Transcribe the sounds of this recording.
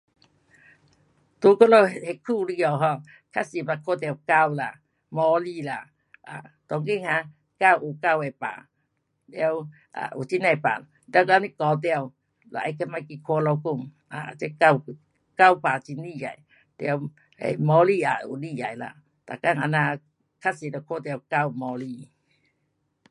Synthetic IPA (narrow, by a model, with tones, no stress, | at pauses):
t̪u˧˦ko˦˧lo˧whe˨kʰu˧li˧ɔ˧˨wɦɔ̃˧˨ | kʰa˦si˨ba˧˨kʰo˧˦t̪ɛ˧˨wka˧˨wla˨ | mɔ˧˦li˧˨la˨ | ʔa˨t̪ɔ˧˦ŋki˦˨ŋhã˧˦ | ka˧˨wʔu˨ka˧˨we˨pa̰˨ | ljɛ˧w | ʔa̰˨ʔṵ˨t͡ɕi˦na˧˨pa̰˨ | lɛ˧˦ka˧˦ni˦˧˦kɔ˨˦t̪̬ɛ˧ə˧˨w | la̰˨ʔa˧˦kʰa˧ma˧˨jki˧kʰo˧lɔ˧wku˧˨m | ʔa˨e˧˦ka˧˨w | ka˧˨wpa˨t͡ɕi˧ni˧˨ja̰˨j | t̪ɛ˧w | ɛ̰˨jmɔ˧li˧˨a̰˨ṵ˨ni˧˨ja̰˨jla̰˧˨ | t̪a̰˨ka˧˨ŋa˧˨na˧˨ | kʰa˧si˨lɔ˧kʰo˧˨t̪ɛ˧˨wka˧˨wmɔ˧˦li˧˨